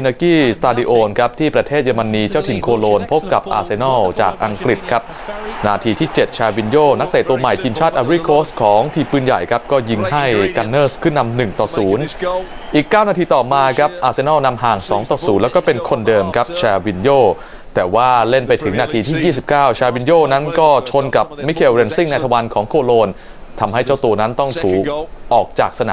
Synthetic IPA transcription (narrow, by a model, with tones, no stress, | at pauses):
i˧nəː˧kiː˥˩st̪aː˧diː˧ʔoː˧nkʰa˦˥p̚t̪ʰiː˥˩pɾa˧t̪ʰeː˥˩t̪̚jaː˧ma˧nːiː˧t͡ɕa˥˩wt̪ʰi˨˩nkʰoː˧loː˧npʰo˦˥p̚ka˨˩p̚ʔa̰ː˧se˧nɔː˥˩wt͡ɕa̰ː˨˩k̚ʔa˧ŋkɾi˨˩t̪̚kʰa˦˥p̚ | naː˧t̪ʰiː˧t̪ʰiː˥˩t͡ɕe˨˩t̪̚t͡ɕʰaː˧wi˧njoː˥˩na˦˥k̚t̪eː˨˩t̪u˧ɐma˨˩jt̪ʰiː˧mt͡ɕʰaː˥˩t̪̚ʔaː˧wɾi˥˩kʰoː˦˥stkʰɔː˩˦ŋt̪ʰiː˧pɯː˧˥˩nja̰˨˩jkʰa˦˥p̚kɔː˥˩ji˧ŋha˥˩jka˧nːɤː˥˩skʰɯː˥˩na˧mnɯ˨˩ŋt̪ɔː˨˩suː˩˦nʔiː˨˩kːaː˥˩wnaː˧t̪ʰiː˧t̪ɔː˨˩maː˧kʰɾa˦˥p̚ʔaː˧se˧nɔː˥˩wna˧mɦaː˨˩ŋsɔː˩˦ŋt̪ɔː˨˩suː˩˦nlɛː˦˥wkɔː˥˩pe˧nkʰo˧ndɤː˧mkʰa˦˥p̚t͡ɕʰɛː˧wi˧njoː˥˩ | t̪ɛː˨˩waː˥˩le˥˩npa˧jt̪ʰɯ˩˦ŋnaː˧t̪ʰiː˧t̪ʰiː˥˩jiː˥˩si˨˩p̚kaː˥˩wt͡ɕʰaː˧wi˧njoː˥˩na˦˥nkɔː˥˩t͡ɕʰo˧nka˨˩p̚mi˦˥kʰe˧wɾe˧nsi˥˩ŋnaː˧jt̪ʰa˧wa˧nkʰɔː˩˦ŋkʰoː˧loː˧n | t̪ʰa˧mha˥˩jt͡ɕa˥˩wt̪u˧ɐna˦˥nt̪ɔ˥˩ŋt̪ʰuː˨˩k̚ʔɔː˨˩k̚t͡ɕaː˨˩k̚sa˧na˨